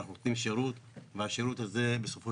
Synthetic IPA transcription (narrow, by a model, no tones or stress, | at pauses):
aχnunot̪nimʃeɾut̪veaʃeɾut̪haze̞be̞so̞fo